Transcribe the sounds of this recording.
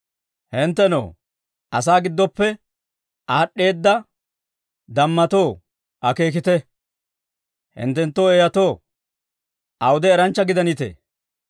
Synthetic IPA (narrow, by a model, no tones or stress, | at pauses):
hɪnt̪ːɛno̰ː | ʔɐs̬aːɡɪd̪ːɔpːɛ | ʔaːɗːe̞ːd̪ːɐ | d̪ɐmːɐt̪o̞ː | ʔɐke̞ːk̬ɪt̪ɛ | hɪ̰nt̪ːɛnt̪ːoeːjɐt̪oː | ʔɐwʊd̪ɛːɾɐnt͡ʃːɐɡɪd̪ɐnɪt̪ḛː